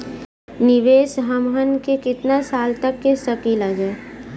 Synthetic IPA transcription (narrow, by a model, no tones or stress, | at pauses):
nɪʋeːsɦəmɦənkekɪt̪nasaːlt̪ɐkːesəkiːlaːd͡ʒa